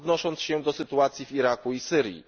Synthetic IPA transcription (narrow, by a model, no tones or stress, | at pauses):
d̪nɔʂɔnt̪sɕɛd̪ɔsɘt̪uat̪sʲjiviɾakuisɘɾʲjḭ